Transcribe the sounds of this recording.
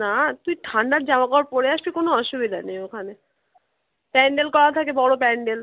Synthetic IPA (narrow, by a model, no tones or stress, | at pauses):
nat̪ujʈʰaɳɖaɾd͡ʑamakɔwaɾpoɽeaʃbikonoɔʃubid̪ʱanejokʰane | pɛɳɖelkɔɾat̪ʰakebɔɽopɛɳɖel